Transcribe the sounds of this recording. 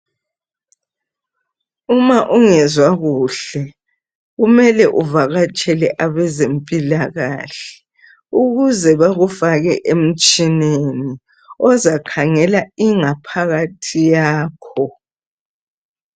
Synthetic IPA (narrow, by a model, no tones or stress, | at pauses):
umaʔuŋɛzwaɣuːɬɛ | ɣumɛlɛʔuvaɣat͡ʃʼɛlɛʔaβɛzempʼilaɣaːɬɛ̥ | uɣuzɛβaɣufaɣɛʔem̩t͡ʃʼineni | ɔzakʰaŋɛlaiŋapʰaɣatʰijaːkʰɔ